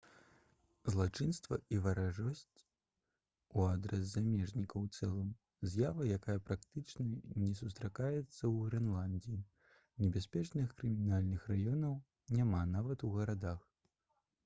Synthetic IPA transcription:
zlˠat͡ʂɨnst̪vɐ̰ivɐɾaʐɔsʲt͡sʲ | uad̪ɾɛs̬ːamʲɛʐnʲikɐwt̪sɛlˠɨm | zʲjavɐjakajɐpɾakt̪ɨt͡ʂnɐnʲɛs̬ust̪ɾakajɛt̪sːɐwɣɾɛnlˠanʲdʲii | nʲɛbʲasʲpʲɛt͡ʂnɨxkɾɨmʲinalʲnɨxrajɔnɐw | nʲamanavɐt̪uɣɐɾad̪ax

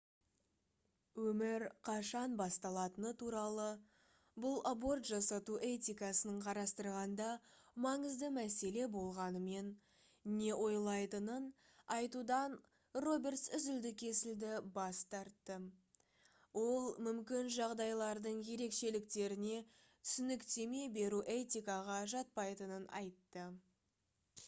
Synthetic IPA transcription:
wɵmɪɾqʰɑʃɑnbɑst̪ɑlˠɑt̪ənət̪ʰuɾɑlˠə | bʊlˠabo̞rt̪ʒɑsɑt̪uʔe̞t̪ijkɑsənəɴqʰɑɾɑst̪əɾʁɑnd̪ɑmɑɴəzd̪əmæse̞le̞bo̞lˠʁɑnəme̞n | ne̞ʔo̞jlˠɑjt̪ənən | ɑjt̪ud̪ɑn | ro̞bʲe̞rt̪sʏzɪld̪ɪkʲʰe̞sɪld̪ɪbɑst̪ɑɾt̪ːə | wo̞lˠmʏmkʲɪnʒɑʁd̪ɑjlˠɑɾd̪əɴje̞ɾe̞kʃe̞lɪk̚t̪e̞ɾɪne̞ | t̪ʰʏ̥sʏnɪkt̪e̞me̞be̞ɾuʔe̞t̪ʲijkɑʁɑʒɑt̪̚pɑjt̪ənənɑ̰jt̪ːə

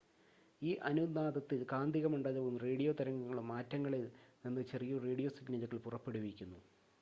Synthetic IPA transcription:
iːʔɐnunaːd̪ɐt̪ːilkaːnd̪iɣɐmuɳɖaːðɐɣumreːɽijoːt̪ɐɾɐŋːɐːɐɭumːaːtːɐŋːɐɭilnɐnːɨt͡ɕe̞rijureːɽijo̞ːsiɡnɐlukːɐɭpurɐpːeɽuʋikʲːunːu

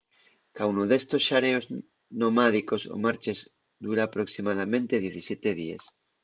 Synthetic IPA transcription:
kawnoðest̪osʃaɾeoz | nomað̞ikoso̰maɾt͡ʃez | d̪uɾaːpɾoksimaðamẽnt̪eðjeθisjet̪eð̞iḛs

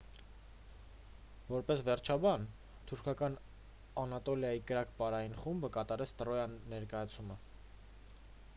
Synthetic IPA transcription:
vɔɾpɛsvɛɾt͡ʃʰɑbɑn | t̪ʰuɾkʰɑkɑn | ɑnɑt̪ɔljɑjikəɾɑkpɑɾɑjinχumbəkɑt̪ɑɾɛt͡sʰt̪əɾɔjɑnːɛɾkɑjɑt͡sʰumə

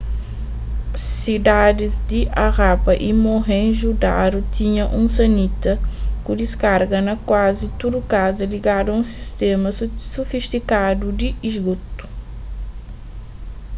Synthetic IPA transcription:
sid̪ad̪izd̪iʔaʁapɐʔimoɦẽʒud̪a̰ɾut̪ĩɲɐʔũsɐnit̪ɐkud̪iskaɾɡɐnɐkwazit̪ud̪ukazɐliɡad̪uɐũsi̥st̪emɐsufist̪ikad̪ud̪iizɡut̪u̥

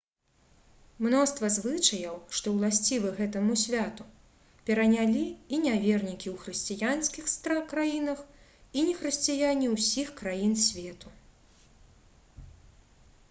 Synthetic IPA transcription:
mnɔst̪vɐzvɨt͡ʂɐjɐwʂt̪ɔwlˠasʲt͡sʲivɨɣɛt̪ɐmusʲvʲat̪u | pʲɛɾɐnʲalʲiːnʲavʲɛrnʲikʲiwxɾɨsʲt͡sʲijansʲkʲixst̪ɾakɾajinɐx | inʲɛxɾɨsʲt͡sʲijanʲiwsʲixkɾajinsʲvʲɛt̪u

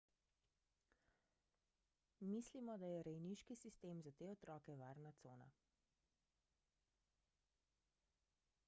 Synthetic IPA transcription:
mislimɔd̪ajɛɾɛjniʃkisist̪eːmzat̪eːɔt̪ɾɔːkɛʋaːɾnat̪soːna̰

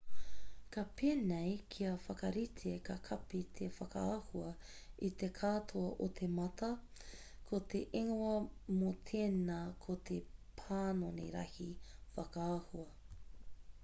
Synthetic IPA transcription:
kɐpʰeːnejkʰiɐfɐkɐɾitʰekɐkʰɐpet̪ʰefɐka̰ːhuɐ | it̪ekʰaːtʰoɐʔotʰemɐtʰɐ | kʰot̪eʔeŋoɐmot̪ʰeːnɐkʰot̪ʰepʰaːnonḛɾɐ̰hifɐkaːhuɐ

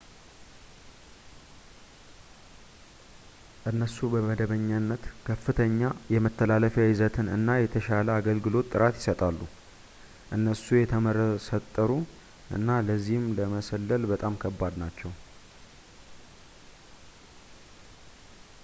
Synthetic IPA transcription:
ʔɨnːəsubəməd̪əβəɲːanːət̪kʰəfːɨt̪ʰəɲːajɛmət̪ʰːəlaləfaɪzət̪ʰɨnɨ̰nːajɛt̪ʰəʃaləaɡəlɡɨlo̞t̪ʼːɨɾat̪jɪ̥sət̪ʼalːu | ʔɨnːəsujɛt̪ʰəməɾəsət̪ʼːəɾu | ʔɨ̰nːaləzːihɨmləməsəlːəlbət̪ʼamkʰəbːad̪nat͡ʃːɛw

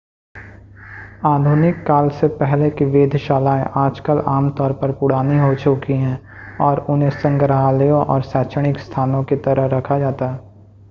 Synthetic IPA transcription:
aːd̪ʱʊːnɪkːaːlsepɛɦlekiʋeːd̪ʱʃaːlaːẽʔaːd͡ʒkəlaːmt̪ɔːɾpəɾpʊɽ̤aːniɦot͡ʃʊkiɦɛ̃ː | ɔːɾʊnɦẽsə̃ŋɡəɾɦaːljõʔɔːɾsɛːt͡ʃəɽ̃ɪkst̪ʰaːnõket̪ɐɾəɦɾɐkʰad͡ʒaːt̪aɦɛː

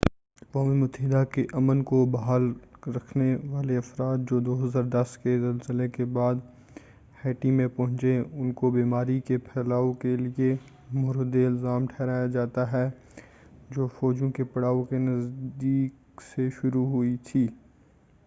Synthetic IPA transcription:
ɐkwaːmimʊt̪əɦɪd̪akeʔɐmənkobɐɦaːlɾɐkʰneʋaːleɐfɾaːt̪̚d͡ʒoːd̪oːɦɐzaːɾd̪ɐskezɐlzɪlekebaːd̪ | hɛːʈĩmẽpɐɦʊ̃t͡ʃeʊnkobiːmaːɾikepʰɛːlaːõkelie | moːɾd̪eɪlzaːmʈʰɛːɾaːjad͡ʒaːt̪aɦɛ | d͡ʒoːfɔːd͡ʒõkepɐɽaːõkenɐzd̪iːk | seʃʊɾuɦʊit̪ʰiː

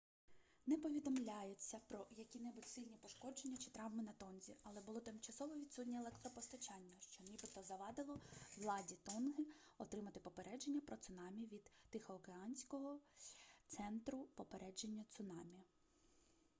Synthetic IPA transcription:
nɛpɔʋʲid̪ɔmlʲajet͡sʲːɐpɾɔjɐkʲinɛbʊtʲsɪlʲnʲipɔʃkɔd͡ʒe̞nʲːɐt͡ʃɪ̥t̪ɾɑʋmɪnɐt̪ɔnzʲḭɐlˠɛbʊlˠɔt̪ɪmt͡ʃɐsɔʋɔʋʲid̪sut̪ʲnʲielˠɛkt̪ɾɔpɔst̪ɐt͡ʃɑnʲːɐʃt͡ʃɔnʲibɪt̪ɔzɐʋɑd̪ɪlˠɔwlˠɑdʲit̪ɔnɦɪɔt̪ɾɪmɐt̪ɪpɔpe̞ɾɛd͡ʒe̞nʲːɐpɾɔt̪sʊnɑmʲiʋʲid̪̥ːɪxɔːkeɑnʲsʲkɔɦɔt̪sɛnt̪ɾʊpɔpeɾʔɛd͡ʒe̞nʲːɐt̪sʊnɑmʲi

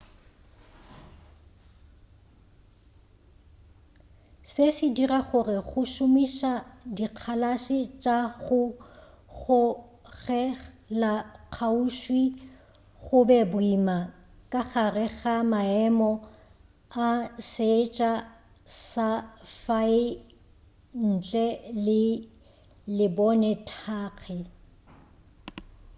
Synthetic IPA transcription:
sesɪdiraχʊrɪχʊʃʊmiʃadiq͡χʰalaʃɪt͡ʃʼaɣʊ | ɣʊ | ɣɛ | laq͡χʰauʃwi | ɣʊbɛbʊima | kʼaχarɛɣamaɛmɔ | aset͡ʃʼa | safaɪ | n̩t͡ɬʼɛlɪ | lɪbɔnɛtʰaːɣʰɛ

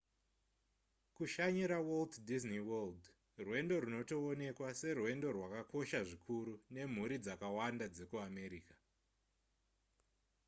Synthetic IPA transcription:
kuʃaɲiɾawolddizniwold | rwe̞ndo̞ɾuno̞to̞ːne̞kwase̞rwe̞ndo̞rwakako̞ʃaʐikʰuɾune̞m̤uɾid͡zakawandad͡ze̞kuame̞ɾiːka

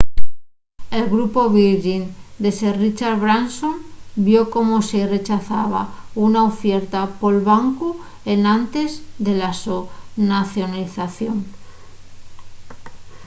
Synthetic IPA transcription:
e̞lɣɾupo̞βiɾʝind̪e̞serit͡ʃaɾβɾansombjo̞ko̞mosere̞t͡ʃaθaβa̰unaofje̞ɾt̪apo̞lβaŋku | e̞nant̪e̞zðe̞lasonaθjo̞naliθaθjo̞ŋ

